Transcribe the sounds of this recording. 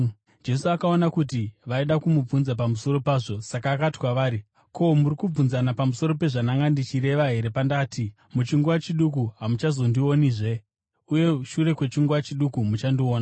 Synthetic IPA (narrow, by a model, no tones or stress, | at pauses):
d͡ʒe̞suakao̞nakut̬iʋaiɗakumub͡vunzap̬amuso̞ɾo̞paːʐo̞sakaːkati̥kwaʋaːɾi | kʰo̞muɾikub͡vunzanapamuso̞ɾo̞pe̞ʐanaŋɡandit͡ʃiɾe̞ʋaɦe̞ɾe̞pandaːti | mut͡ʃiŋɡuat͡ʃiɗuk̬uɦamut͡ʃazo̞ndio̞niʐe̞ | uje̞ʃure̞kwe̞t͡ʃiŋɡuwat͡ʃiɗukumut͡ʃandio̞ːna